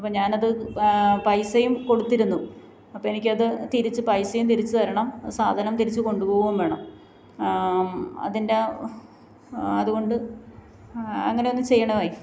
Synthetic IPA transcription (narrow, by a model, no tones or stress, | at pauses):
ɐpːɐmɲaːnɐðɨpɐjsɐjumko̞ɽut̪ːiɾunːu | ɐpːoːenikʲːɨɐðɨt̪iɾit͡ɕːɨpɐjsɐjumt̪iɾit͡ɕːut̪ɐɾɐɳɐmsaːd̪ʱanɐmt̪iɾit͡ɕːɨko̞ɳɖupoːɣuɣumʋeːɳɐm | ɐ̰ðinde̞ | ɐðuɣo̞ɳɖɨ | ɐ̰ŋːɐne̞onːɨt͡ɕe̞jːɐɳɐʋaːji